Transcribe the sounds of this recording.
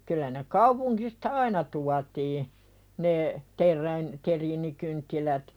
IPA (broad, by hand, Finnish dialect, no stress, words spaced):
kylˑæ ne kɑupuŋkistɑ ɑinɑ tuɑtiː ne terˑæin teriːnikyntːilæt